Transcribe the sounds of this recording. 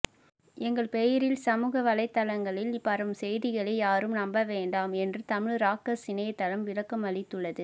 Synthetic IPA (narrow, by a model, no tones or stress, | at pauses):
ɛŋɡɐɭpɛjɐɾɪlsɐmuːɣɐʋɐɭɐɪt̪ːɐlɐŋɡɐɭɪlpːɐɾɐmsɛjðɪɣɐɭɐɪjaːɾɯmnɐmbɐʋeːɳɖaːmɛndrɯt̪ɐmɪɭɾaːkːɐsɪnɐjɐt̪ːɐlɐmʋɪɻɐkːɐmɐɭɪt̪ːɯɭːɐðɯ